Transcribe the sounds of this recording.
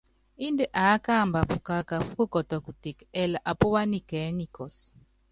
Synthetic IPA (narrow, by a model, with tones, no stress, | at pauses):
i˦nde˨ʔa˨˦ka˦˨mba˨pu˨ka˨ka˨fu˦ko˦kɔ˨tɔ˨ku˨te˨kɛ˨la˨ʔa˨pɔ˦wa˦ni˦˨kɛ˨˦ni˨kɔ˨s